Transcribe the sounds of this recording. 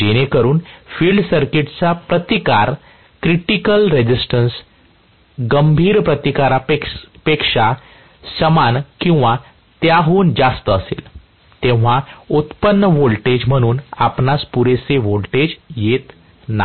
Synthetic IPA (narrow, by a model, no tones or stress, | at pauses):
d͡ʑeɽ̃ekəɾuːnfiːlɖsəɾkiʈt͡sapɾət̪ikaɾ | kɾiʈikəlɾed͡ʑisʈəns | ɡəmbʱiːɾpɾət̪ikaɾapekʂa | səmankĩw̃ʋa | t̪jaɦound͡zast̪əːsḛl | t̪ẽʋ̤aut̪pənːəʋolʈed͡ʑm̤əɽ̃uːna̰pnaspuɾet͡seʋolʈed͡ʑjet̪ | na̰